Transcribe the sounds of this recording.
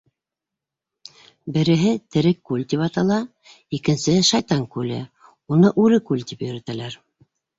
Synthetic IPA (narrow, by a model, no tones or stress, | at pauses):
bɘ̆ɾɘ̆ɦɘt̪ɘ̆ɾɘkːʉlt̪ʲipɑt̪ɑlˠɑ | ikɘ̆nsɘʃɑjt̪ɑŋkʉlɘ̰ | unɤʔʉɾɘkʉlt̪ipjɵ̆ɾæt̪ælæɾ